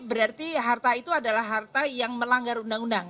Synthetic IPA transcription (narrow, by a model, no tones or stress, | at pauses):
bəɾart̪iɦart̪ait̪uadalahɦart̪ajaŋməlaŋɡaɾundaŋundaŋ